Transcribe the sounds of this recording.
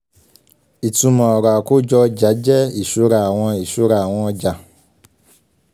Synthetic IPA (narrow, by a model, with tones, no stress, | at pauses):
i˨tũ˧mã˨ɔ˨ɾa˨ko˦d͡ʒɔ˧d͡ʒa˨˦d͡ʒɛ˦i˨ʃu˨˦ɾa˧˨a˨w̃ɔ̃˧i˨ʃu˨˦ɾa˧˨a˨w̃ɔ̃˧ɔ˧d͡ʒa˨